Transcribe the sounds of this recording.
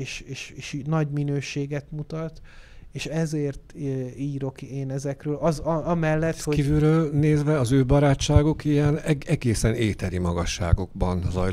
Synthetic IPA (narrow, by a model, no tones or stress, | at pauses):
eːʃeːʃeːʃnɒɟminøːʃeːɡɛt̪mut̪ɒt̪eːʃɛzeːrt̪iːɾo̞keːnɛzɛkrøːlɒzɒɒmɛlːɛt̪hokiːvyɾøːlneːzʋɛɒzøːbɒɾaːt͡ʃːaːɡokijɛnɛɛɡeːsɛneːt̪ɛɾimɒɡɒʃːa̰ːɡo̞ɡ̚bɒnzɒ̰j